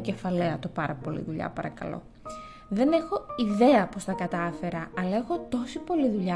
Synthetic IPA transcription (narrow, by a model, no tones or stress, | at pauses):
ce̞fɐleɐt̪opɐɾɐpo̞lḭðuʎɐ̰pɐɾɐkɐ̰lo̞̰ | ðe̞ne̞xo̞iðe̞ɐpo̞st̪ɐkɐt̪ɐfe̞ɾɐɐlɐe̞xo̞t̪o̞sipo̞liðuʎɐ